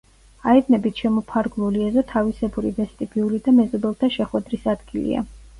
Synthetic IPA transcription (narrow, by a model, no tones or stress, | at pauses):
aɛdnɛbit̪ʰʃɛmɔpʰaɾɡluliɛzɔt̪ʰavisɛbuɾivɛst̪ʼibiulid̪amɛzɔbɛlˠt̪ʰaʃɛχwɛd̪ɾisad̪ɡilḭa̰